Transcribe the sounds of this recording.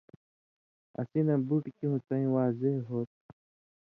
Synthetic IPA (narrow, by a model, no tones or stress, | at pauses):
ɐ̰sinãbuʈkĩɦũt͡saĩwaːzeɦɦoːt̪̚